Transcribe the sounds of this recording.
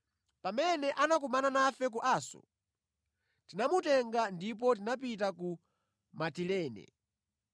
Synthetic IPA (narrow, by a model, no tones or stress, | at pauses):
pamɛnɛʔanak̬umananafɛk̬uʔaːsɔ̰ | tinamutɛŋɡandip̬ɔt̬inap̬itaku | matilɛːnɛ̰